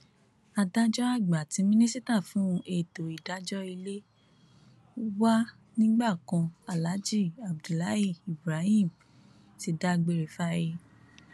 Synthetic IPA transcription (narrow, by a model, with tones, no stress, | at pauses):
a˧da˦d͡ʒɔ˦a˦˨ɡ͡ba˨tĩ˨˦mĩ˦nĩ˦si˦ta˦˨fũ˦˧ʔe˦˨to˨i˨da˨˦d͡ʒɔ˦i˧le˦ | u˦wa˦ | nĩ˦ɡ͡ba˦˨kã˧a˨la˨˦d͡ʒi˦˨a˨bdu˨la˨˦i˦˨i˨bɾa˨˦hĩ˦˨m | ti˧da˦ɡ͡be˧ɾe˨fa˦i˧